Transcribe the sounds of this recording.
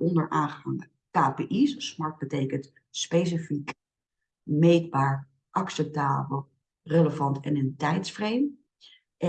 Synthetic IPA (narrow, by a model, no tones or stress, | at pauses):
ɔndəɹʔaːnχəɦɑŋ | kaːpeʔissmɑɹt̚bətejkənt | spejs̬ifik | mejd̚baːɹ | ʔɑksɛp̚taːbəlˠ | rələvɑntɛnəntɛjtsfrejm | ʔɛ